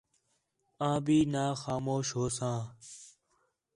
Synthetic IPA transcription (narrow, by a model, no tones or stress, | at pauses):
ãːbʱiːnaːxaːmoːʃɦoːsãː